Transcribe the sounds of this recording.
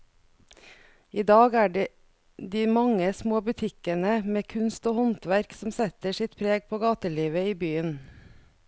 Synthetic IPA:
iːd̪ɑːɡæːɖe | d̪iːmɑŋəsmoːbʉt̪ʰɪkənəmeːkʰʉnst̪oːhɔnt̪ʋæɾksɔmsɛt̪əʃɪt̪pʰɾeːɡ̚pʰoːɡɑːt̪əliːʋəiːbyːən

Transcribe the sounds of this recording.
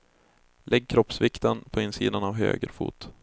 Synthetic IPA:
lʔɛɡ̚kʰɾɔpsvɪkt̪ənpʰɔɪnːsḭːd̪anavɦø̰ːɡɾfṵːt̪

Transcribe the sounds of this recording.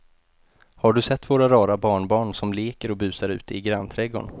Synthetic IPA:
haɖɵsɛt̪ːvoːɾaɾɑːɾabɑːɳbɑːɳsɔmleːkəɾɔbʉ̟ːsaɾʉ̟ːt̪əɪɡɾant̪ʰɾɛɡɔ̰ɳ

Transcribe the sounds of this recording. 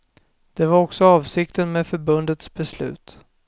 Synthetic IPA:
d̪̥ɛvaɾɔksɔɑːvsɪkt̪ənmeːfœɾbɵnd̪ət̪sbɛslʉ̟̰ːt̪

